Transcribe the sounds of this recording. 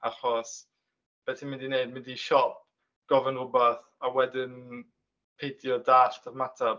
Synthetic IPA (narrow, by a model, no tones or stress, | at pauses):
aχɔs | b̥ɛθimɪ̃ndineɨd̚mɪndiʃɔp̚ | ɡ̥ɔvənrʊbaθ | awɛdɪn | pʰejtʰjɔdaːɬd̥ʰəvmatʰa